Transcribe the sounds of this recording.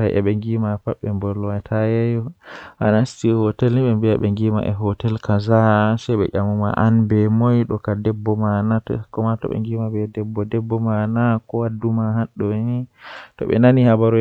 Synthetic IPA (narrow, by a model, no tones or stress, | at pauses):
ajʔɛ̰ɓɛŋɡimapaɓːɛmbɔlːɔwatʰajɛjɔʔa̰nːstihɔtɛlniɓɛmbiaɓɛŋɡima̰ʔɛɦɔtɛlkazasɛɓɛ̰ʔamuma̰ʔanbɛmɔjɗɔkadɛbːɔmanakɔmatɔ̰ɓɛ̰ŋɡimabɛdɛbːɔdɛbːɔmanakɔwadumaɦaɗːɔnitɔ̰ɓɛ̰nanihabaɾɔ